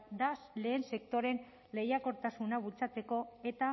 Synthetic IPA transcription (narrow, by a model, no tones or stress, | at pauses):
d̪asle̞ːnse̞kt̪o̞ɾe̞n | lejako̞ɾt̪asunaβult͡sat͡se̞ko̞e̞t̪a